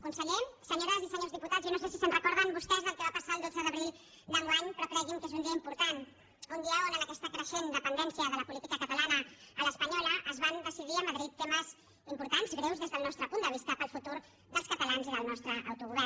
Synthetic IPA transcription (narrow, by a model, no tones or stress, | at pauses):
kunsəʎesəɲoɾəzisəɲowzðiput̪atzjonosesisənrəkɔɾðənbust̪ɛzðəlˠkəβapəsaəlˠd̪od͡zəðəβɾilˠ | d̪əŋɡwaɲpɾɔkɾɛɣiŋkezund̪iəimpuɾt̪an | und̪iawənənəkɛst̪əkɾəʃend̪əpənd̪ɛnsiəðələpulit̪ikəkət̪əlanəələspəɲɔləʔəzβand̪əsiðiəməðɾit̪ːeməz | impuɾt̪anzɣɾewzðezðəlˠnɔst̪ɾəpunəβ̞ist̪əpəlˠfut̪uɾ | ðəlˠskət̪əlanziðəlˠnɔst̪ɾəʔːwt̪uɣuβɛr